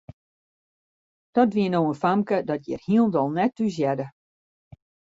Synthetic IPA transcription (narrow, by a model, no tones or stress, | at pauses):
d̥ɔdʋiənoːənfamkədɔtjɪ̰rhiəlˠdɔlˠnɛtːuzjɛdə